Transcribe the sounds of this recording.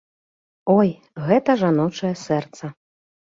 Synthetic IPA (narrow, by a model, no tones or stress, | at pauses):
ɔj | ɣɛt̪ɐʐanɔt͡ʂɐjɛsɛrt̪sɐ